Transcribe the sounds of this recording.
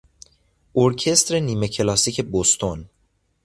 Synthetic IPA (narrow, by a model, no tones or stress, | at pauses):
ʔoɾcʰe̞st̪ɾe̞niːme̞cʰelɒːsiːcʰe̞bost̪ʰon